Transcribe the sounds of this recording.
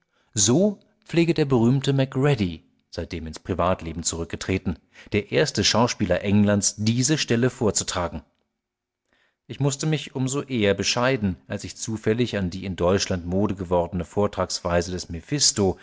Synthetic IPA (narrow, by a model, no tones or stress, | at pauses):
zoː | p͡fleːɡədeːɐbəʁ̞yːmtəmɛkʁɛdi | z̥aɪt̚d̥eːmɪnspʁ̥ivaːtleːbm̩t͡suʁʏk̚ɡ̥ətʁ̥eːtn̩ | d̥eːɐʔeːɐstəʃaʊʃpiːlɐʔɛŋlantsd̥iːzəʃtɛləfoːɐt͡su̥tʁ̥aːɡŋ̩ | ʔɪçmʊstəmɪçʔʊmzoʔeːɐbəʃaɪdn̩ʔalsɪçt͡suːfɛlɪçandiːɪndɔʏt͡ʃlantmoːdəɡəvɔʁdənəfoːɐtʁ̥aːksv̥aɪzədɛsmefɪsto